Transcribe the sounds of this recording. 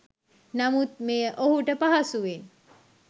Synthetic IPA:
namut̪̚mejəʔoɦuʈəpaɦasuʋe

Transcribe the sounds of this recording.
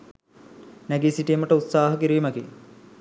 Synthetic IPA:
næɡesiʈijməʈəut̪saːɦɐkiɾiːmɐkḭ

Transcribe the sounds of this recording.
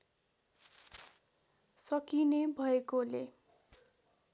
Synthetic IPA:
sʌkinebʱʌekolḛ

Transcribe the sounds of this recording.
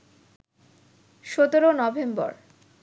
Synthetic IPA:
ʃot̪oɾonɔbʱembɔ̰ɾ

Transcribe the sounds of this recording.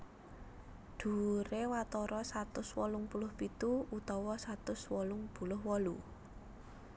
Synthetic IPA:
d̪̥ṳɾewat̪ɔɾɔsat̪ʊswɔlʊŋpulʊhpit̪uut̪ɔwɔsat̪ʊswɔlʊŋpulʊhwɔlu

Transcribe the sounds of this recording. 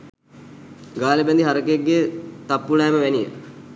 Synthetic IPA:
ɡaːləbɛnd̪iɦaɾəkəeɡːet̪apːulaːməʋænijə̰

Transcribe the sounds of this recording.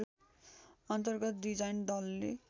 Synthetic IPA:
ʌnt̪ʌrɡʌt̪̚d̪id͡zajnd̪ʌlːe

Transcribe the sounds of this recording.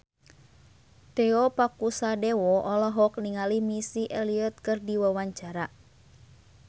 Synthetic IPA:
t̪ɛɔpakusadewɔʔɔlɔɦɔk̚niŋalimisiʔɛliɔt̪̚kɨrdiwawaɲt͡ʃaɾa

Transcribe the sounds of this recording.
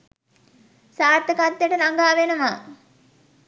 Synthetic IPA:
saːrt̪əkat̪ːjəʈənaŋɡaːʋenəʋa

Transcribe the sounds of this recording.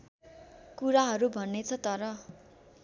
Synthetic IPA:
kuɾaɦʌɾubʱʌnːet͡sʰʌt̪ʌɾʌ

